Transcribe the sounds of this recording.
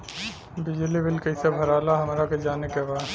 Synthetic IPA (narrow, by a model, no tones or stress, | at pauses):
bɪd͡ʒlibɪlkɐɪsebʱɐɾaːlaɦɐmɾaked͡ʒaːnekebaː